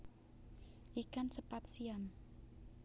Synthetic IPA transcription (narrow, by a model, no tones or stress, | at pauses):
ʔikansəpat̪̚siam